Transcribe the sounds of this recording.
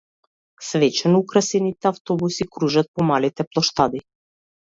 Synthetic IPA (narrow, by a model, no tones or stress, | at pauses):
svɛt͡ʃɛnɔukɾasɛnit̪ɛaft̪ɔbusikɾuʒat̪̚pɔmalit̪ɛplˠɔʃt̪ad̪i